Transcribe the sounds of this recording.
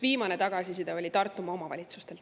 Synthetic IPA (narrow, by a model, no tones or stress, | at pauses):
viːmɑne̞t̪ɑɡ̥ɑsisid̪̥ɑo̞lʲit̪ɑrt̪ːˑumɑo̞mɑvɑ̰lʲit̪sust̪e̞l